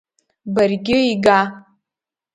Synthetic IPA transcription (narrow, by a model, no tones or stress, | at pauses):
barɡʲɪiɡa